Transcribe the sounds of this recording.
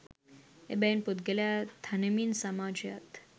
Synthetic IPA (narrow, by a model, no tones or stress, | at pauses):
ḛbenpud̪ɡeljat̪ʰanəminsamad͡ʒja̰t̪